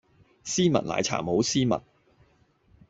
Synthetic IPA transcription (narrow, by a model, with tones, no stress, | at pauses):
siː˥mɐ˨t̚la̰ː˨˩jt͡sʰa̰ː˨˩mho˨˧˥wsiː˥mɐ̰˨t̚